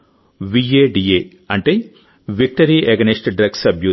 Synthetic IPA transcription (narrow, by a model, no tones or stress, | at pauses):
ʋiːeːɖieː | ɐɳʈeː | ʋik̚ʈɐɾiʔeɡɐniʂʈɖɾɐɡsɐbjuː